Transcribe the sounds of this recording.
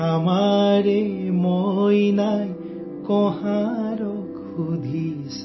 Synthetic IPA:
amaɾemojnaj | kɔhaɾɔk | ud̪ʱi | s

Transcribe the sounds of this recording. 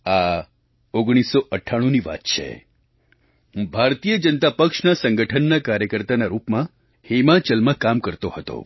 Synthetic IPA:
a | oɡɽ̃isoʔəʈʰːaɽ̃uniʋa̰t̪t͡ʃʰḛ | bʱaɾt̪ijəd͡ʒənt̪apəkʃnasəŋɡəʈʰənːakaɾjəkəɾt̪anaɾupmã | hemãt͡ʃəlmãkamkəɾt̪ohət̪o̰

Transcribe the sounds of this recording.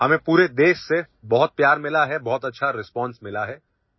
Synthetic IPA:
ɦɐmẽpuːɾed̪eːʃse | bɔɦʊt̪̚pjaːɾmɪlaɦɛbɔɦʊt̪ɐtːʃʰaɾɪspɔːnsmɪlaɦɛː

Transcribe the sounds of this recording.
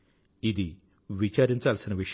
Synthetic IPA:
id̪i | ʋit͡ʃaːɾiɲt͡ʃaːlsinɐʋiʂ

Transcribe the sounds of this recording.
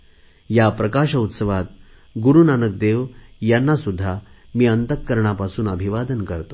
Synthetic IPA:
japɾəkaʂəut̪səʋat̪̚ | ɡuɾunanək̚d̪eʋjanːasud̪ʱːa | miːənt̪əkːəɾɳ̃apasuːnəbʱiʋad̪ənkəɾt̪o

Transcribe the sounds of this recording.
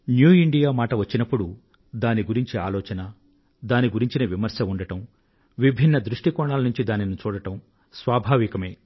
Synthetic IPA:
njuːiɳɖijaːmaːʈɐʋɐt͡ʃːinɐpːuɽu | d̪aːniɡuɾiɲt͡ʃia̰ːlɔːt͡ʃɐnɐ | d̪aːniɡuɾiɲt͡ʃinɐʋimɐɾsɐuɳɖɐʈɐm | ʋibʱinːɐd̪ɾuʂʈikɔːɳaːlɐnuɲt͡ʃid̪aːninut͡ʃuːɽɐʈɐm | sʋaːbʱaːʋikɐmeː

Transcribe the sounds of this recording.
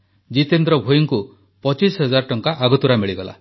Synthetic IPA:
d͡ʒit̪end̪ɾɔbʱojuŋku | pɔt͡ʃisɦɔd͡ʒaɾɔʈɔŋkaʔaɡɔt̪uɾamiɭiɡɔla̰

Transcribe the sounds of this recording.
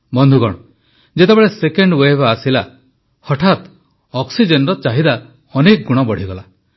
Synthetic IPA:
bɔnd̪ʱuɡɔɽ̃ɔ | d͡ʒet̪ebeɭesekeɳɖwebːsila | hɔʈʰat̪ | ɔksid͡ʒenɾɔt͡ʃaɦid̪a | ɔnek̚ɡuɽ̃ɔbɔɽ̤iɡɔla

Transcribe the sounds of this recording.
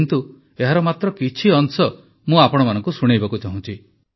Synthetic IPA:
nt̪u | eɦaɾɔmat̪ɾɔkit͡ʃʰiɔnsɔ | mũapɔɽ̃ɔmanɔ̃ŋkusuɽ̃ejbakut͡ʃaɦũt͡ʃʰi

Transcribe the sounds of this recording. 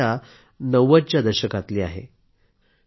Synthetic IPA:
a | nəʋət͡ɕjad̪əɾɕəkat̪liːa̰ɦḛ

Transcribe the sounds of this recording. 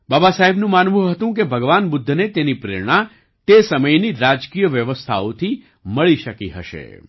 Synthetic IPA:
babasaɦebnũmanʋũɦət̪ũkebʱəɡʋanbʊd̪ʱːnet̪enipɾḛɾɳ̃a | t̪esəməjniɾad͡ʒkijəʋjəʋəst̪ʰa̰ot̪ʰi | məɭiʃəkiɦə̰ʃḛ

